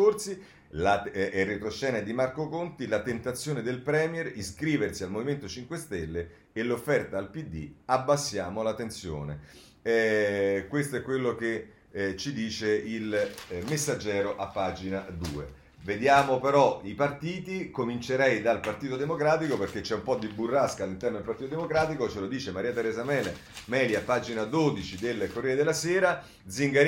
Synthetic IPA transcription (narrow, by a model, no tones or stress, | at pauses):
ort̪si | laɛrːet̪ɾot͡ʃːɛːned̪imarkokont̪ilat̪ent̪at̪sːjoːned̪elpɾɛːmjɛɾiskɾiːversialmoviment̪ot͡ʃiŋkwest̪elːe | elːofːɛrt̪aːlpid̪ːiabːasːjaːmolat̪ːent̪sjo̰ːne | ɛkwest̪oɛkːwelːoke | t͡ʃːid̪iːt͡ʃeilmesːad͡ʒːɛːɾoʔapːaːd͡ʒinad̪ṵːḛ | ved̪jaːmopeɾɔipart̪iːt̪ikomint͡ʃeɾɛjd̪alpart̪iːt̪od̪emokɾaːt̪ikoperk̟et͡ʃːɛumpɔd̪ːibːurːaskalːint̪ɛrnod̪elpart̪it̪od̪emokɾaːt̪ikot͡ʃelod̪iːt͡ʃemaɾiːat̪eɾɛːzamɛːle | mɛːliapːaːd͡ʒinad̪oːd̪it͡ʃid̪elːkorːɛːed̪elːasɛːɾa | d̪ziŋɡaɾ